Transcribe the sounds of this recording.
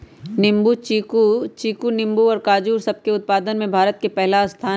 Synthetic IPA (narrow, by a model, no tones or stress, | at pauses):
nɪmbut͡ʃiːkut͡ʃiːkunɪ̃mbuɔːɾkaːd͡ʒuːɾsɐb̚keʊt̪̚paːd̪ənmẽbʱaːɾət̪̚kepɛɦlast̪ʰaː